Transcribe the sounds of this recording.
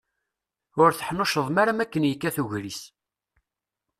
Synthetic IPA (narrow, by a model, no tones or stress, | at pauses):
ʊɾθəħnʊʃəðˤmaɾamækːənjəkːæθuʝɾis